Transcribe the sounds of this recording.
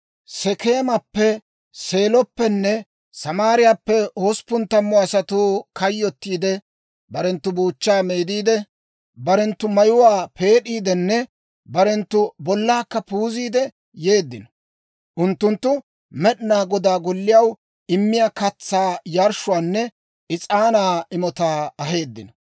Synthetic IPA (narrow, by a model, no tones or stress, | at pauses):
sɛke̞ːmɐpːɛ | se̞ːlɔpːɛnːɛ | sɐmaːɾɪjaːpːɛhospʊnt̪ːɐmːɔɐsɐt̪uːkɐjːɔt̪ːiːd̪ɛ | bɐɾɛnt̪ːʊbuːt͡ʃːaːmeːd̪iːd̪ɛ | bɐɾɛnt̪ːʊmɐjʊwaːpe̞ːɗiːd̪ɛnːɛ | bɐɾɛnt̪ːʊbɔlːaːkːɐpuːziːd̪ɛ | je̞ːd̪ːɪnɔ̥ | ʔʊnt̪ːʊnt̪ːʊ | mɛɗnaːɡɔd̪aːɡɔlːɪjɐw | ɪmːɪjaːkɐt͡sːaːjaɾʃʊwaːnːɛ | ʔɪt͡sʼaːnaːɪmɔt̪aːɐɦe̞ːd̪ːɪnɔ